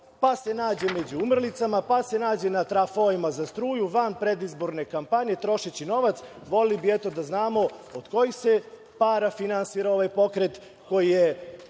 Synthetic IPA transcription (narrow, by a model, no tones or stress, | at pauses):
pase̞naːd͡ʑe̞med͡ʑuumr̩lit̪samapase̞naːd͡ʑe̞nat̪ɾafoimazast̪ɾuːjuʋanpɾe̞d̪izbo̞ɾne̞kampaɲe̞t̪ɾo̞ʃet͡ɕino̞ʋat̪s | ʋo̞lelibiɛt̪o̞d̪aznaːmo̞od̪̥ko̞jise̞ | paːɾafinansiːɾao̞ʋajpo̞kɾe̞t̪ | ko̞jije